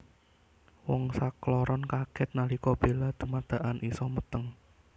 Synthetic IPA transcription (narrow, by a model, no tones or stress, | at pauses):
wɔŋsaklɔɾɔnkaɡ̥ɛt̪̚nalikɔb̥e̤lad̪̥ṳmad̪̥a̤ʔanʔisɔmut̪əŋ